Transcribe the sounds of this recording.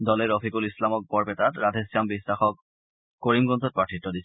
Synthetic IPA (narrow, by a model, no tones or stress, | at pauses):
dɔlɛɹɔfʰikulislamɔk̚bɔɹpɛtatɹadʱesiambisːaxɔk̚ | koɹimɡɔnzɔt̚pɹatʰitːɔdis